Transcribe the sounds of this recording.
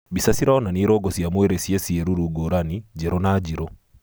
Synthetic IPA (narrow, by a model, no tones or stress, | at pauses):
bisasiɾaɔnaniːɾɔɡɔsiamweɾesjesieɾuɾuɡoɾanid͡ʒeɾonad͡ʒiɾo